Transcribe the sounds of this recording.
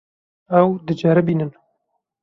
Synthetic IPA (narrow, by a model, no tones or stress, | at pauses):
ɛwd̪ɨd͡ʒaːɾɛbiːnɨn